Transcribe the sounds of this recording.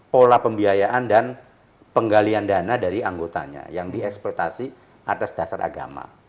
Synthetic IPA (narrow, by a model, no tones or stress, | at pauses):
polapəmbiajaʔandan | pəŋɡaliandanadaɾiaŋɡot̪a̰ɲa̰jaŋdiɛksplɔt̪asi | ʔat̪asd̥asara̰ɡa̰ma̰